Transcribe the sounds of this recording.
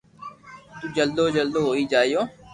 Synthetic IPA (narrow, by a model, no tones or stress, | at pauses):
t̪uːd͡ʒəld̪oːd͡ʒəld̪oːɦoːiːd͡ʒaːijoː